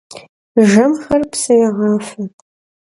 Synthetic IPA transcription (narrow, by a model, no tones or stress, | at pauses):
ʒɐmxɐrpsɐjaʁɑːfɐ